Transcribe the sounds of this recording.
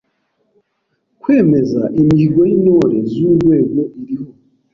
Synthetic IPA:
kweːmeza̰ʔemiiɡoinoɾezudweɡoiɾiho

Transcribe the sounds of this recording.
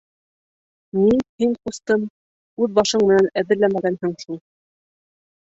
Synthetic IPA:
minhiɴqust̪ɤm | ʉðbɑʃɤɴmɘ̆nænæðɘ̆ɾlæmæɡænhɘ̆ɴhin

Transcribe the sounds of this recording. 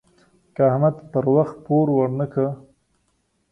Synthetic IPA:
kaahmad̪pəɾwaxt̪̚poɾwaɽnəkə

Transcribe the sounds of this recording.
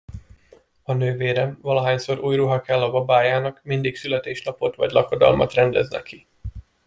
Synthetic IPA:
ɒnøːveːɾɛmvɒlɒɦaːɲsoɾuːjruɦɒkɛlːɒbɒbaːjaːnɒkmind̪iksylɛt̪eːʃnɒpo̞t̪ʋɒ̰ɟlɒkod̪ɒ̰lmɒ̰t̪rɛnd̪ɛznɛ̰ki

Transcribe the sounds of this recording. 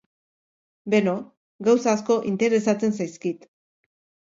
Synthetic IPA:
be̞no̞ | ɡawsasko̞ʔint̪e̞ɾe̞sat͡se̞nsajskit̪

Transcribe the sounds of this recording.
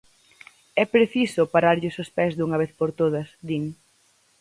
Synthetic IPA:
ɛpɾeθisʊpaɾaɾʎʊsʊspɛzðuŋɐβeθpoɾt̪oð̞ɐsd̪iŋ

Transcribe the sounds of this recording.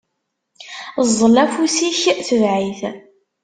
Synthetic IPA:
zˤːəlæfusiçθəvʕiθ

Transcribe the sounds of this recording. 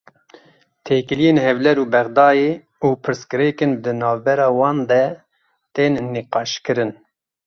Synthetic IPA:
t̪ʰeːkɨlijeːnhɛvlɛɾuːbɛɣd̪ɑːjeː | uːpʰɨɾskɨɾɛkɨnd̪ɨnɑːvbɛɾɑːwɑːnd̪ɛ | t̪eːnːiqɑːʃkɨɾɨn

